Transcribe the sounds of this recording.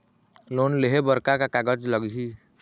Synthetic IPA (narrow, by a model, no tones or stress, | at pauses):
loːnleɦebəɾkakakaɡəd͡ʒləɡɦiː